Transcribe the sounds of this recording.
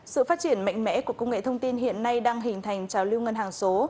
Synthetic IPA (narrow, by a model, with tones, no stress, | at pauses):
sɨ̰˧˨faː˦˥t̚t͡ɕi˧˩ənma̰˧˨jŋ̟mɛ̰˧˥ku˧˩əkə˧wŋ͡mŋḛ˧˨t̪ʰə˧wŋ͡mt̪i˧nɦḭ˧˨ənːa˧jɗaː˧ŋɦï˨˩ŋ̟t̪ʰa˨˩jŋ̟t͡ɕaː˨˩wli˧wŋə˧nɦaː˨˩ŋso˨˦